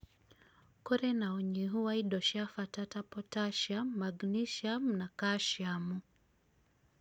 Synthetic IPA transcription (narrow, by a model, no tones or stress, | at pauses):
kɔɾɛnaɔɲiɦuwaiɗɔʃafatatapɔtaʃammaɡniʃamnakaʃamu